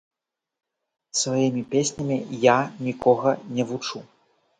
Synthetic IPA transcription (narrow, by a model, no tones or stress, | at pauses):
svajimʲipʲesʲnʲɐmʲijanʲikɔɣɐnʲɛvut͡ʂu